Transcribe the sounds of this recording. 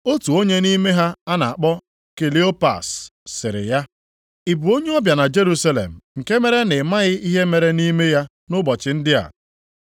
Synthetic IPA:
o˦tu˨o˦ɲe˦ni˦me˦ɦa˦a˦na˨a˨k͡pɔ˦ | ke˨li˦o˦pa̰˨sːɪ̰˨ɾɪ̰˨ja˦ | i˨bu˨o˦ɲe˦ɔ˦bja˨na˨d͡ʒe˦ɾu˦sa˦lḛ˨m̩˨ŋ̩˨ke˦me˦ɾe˦nɪ˨ma˦ɣɪ˦i˦ɦe˦me˨ɾe˦ni˦me˦ja˦ | nʊ˦bɔ˨t͡ʃɪ˨n̩˦dɪ˦a̰˨

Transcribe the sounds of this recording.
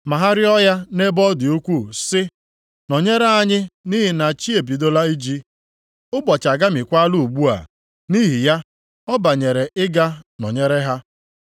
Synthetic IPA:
ma˨ɦa˦ɾɪ˦ɔ˦ja˦ne˦bɔ˦dɪ˨u˦kʷu˦sɪ˦ | nɔ˨ɲe˦ɾe˦a˦ɲɪ˦ni˦ɦɪ˨na˨t͡ʃi˦e˨bi˨do˦la˦i˦d͡ʒi˦ | ʊ˦bɔ˨t͡ʃa˨ɡa˦mɪ˨kʷa˦lu˨ɡ͡bu˦a̰˨ | ni˦ɦi˨ja˦ | ɔ˦ba˨ɲe˨ɾe˨ʔɪ˦ɡa˦nɔ̰˨ɲe˦ɾe˦ɦa˦

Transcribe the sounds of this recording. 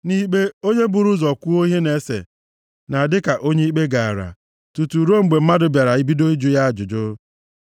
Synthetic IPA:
ni˦k͡pe˦o˦ɲe˦bʊ˨ɾu˦zɔ˨kʷu˦o˦ɦe˦ne˨˦sḛ˨ | na˨a˨dɪ˦ka˨ʔo˦ɲe˦i˦k͡pe˦ɡa˨a˨ɾa̰˨ | tu˨tu˨ɾo˦m̩˨ɡ͡be˨m̩˦ma˦dʊ˨bja˨ɾa˨i˦bi˦do˦i˦d͡ʒʊ˦ja˦a˨d͡ʒʊ˨d͡ʒʊ˦

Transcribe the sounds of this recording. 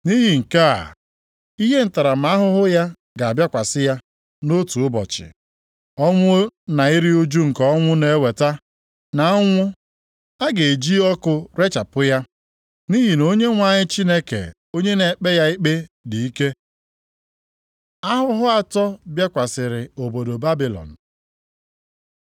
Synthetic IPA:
ni˦ɦi˨ŋ̩˨ka̰˦˨ | i˦ɦe˦n̩˨ta˨ɾa˨m̩˨a˦ɦʊ˦ɦʊ˦ja˦ | ɡa˨bja˦kʷa˨sɪ˦ja˦ | no˦tu˨ʊ˦bɔ̰˨t͡ʃɪ̰˨ | ɔ˦ŋʷʊ˦na˨i˦ɾi˦u˦d͡ʒu˦ŋ̩˨kɔ˦ɔ˦ŋʷʊ˦ne˨e˦we˨ta˦ | na˨˦ŋʷʊ˦ | a˦ɡe˨e˨d͡ʒi˦ɔ˦kʊ˦ɾe˦t͡ʃa˨pʊ˦ja˦ | ni˦ɦi˨no˦ɲe˦ŋʷa˨ɲɪ˦t͡ʃi˦ne˦kḛ˨ | o˦ɲe˦ne˨k͡pe˦ja˦i˦k͡pe˦di˨i˦ke˦ | a˦ɦʊ˦ɦʊ˦a˨tɔ˦bja˦kʷa˨sɪ˨ɾɪ˨o˨bo˨do˨ba˦bi˨lɔ̰˨n̩˨

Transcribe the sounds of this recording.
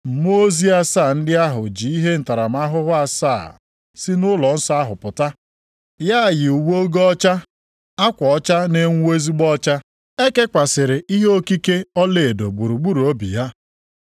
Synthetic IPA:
m̩˨m˦o˦zi˦a˦saː˦˨n̩˦dɪ˦a˦ɦʊ̰˨d͡ʒi˨i˦ɦe˦n̩˨ta˨ɾa˨m̩˨˦a˦ɦʊ˦ɦʊ˦a˦saː˦˨ | sɪ˦nʊ˦lɔ˨n̩˦sɔ˦a˦ɦʊ˨pʊ˨ta˦ | ja˦˨jɪ˨u˨ɡ͡bo˦ɡɔ˦t͡ʃa˦ | a˦kʷɔ˨ɔ˦t͡ʃa˦ne˦ŋ˦e˦zi˦ɡ͡bɔ˦t͡ʃa˦ | e˦ke˦kʷa˨sɪ˨ɾɪ˨ʔi˦ɦo˦ki˦ke˦ɔ˦le˨e˨do˨ɡ͡bu˨ɾu˨ɡ͡bu˦ɾu˨o˦bḭ˨ja˦

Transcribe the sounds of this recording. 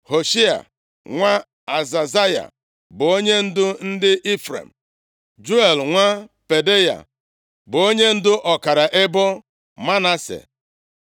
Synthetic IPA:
ho˨ʃi˦a̰˨ | ŋʷa˦ | a˨za˨za˦ja̰˨ | bʊ˨o˦ɲe˦n̩˦dʊ˦n̩˦dɪ˦ʔi˦fɾḛ˨m̩˨ | d͡ʒu˦e˨lŋʷa˦pe˨de˦ja̰˨ | bʊ˨o˦ɲe˦n̩˦dʊ˦ʔɔ˨ka˨ɾa˨ʔɪ˦bʊ˦ | ma˦na˦sḛ˨

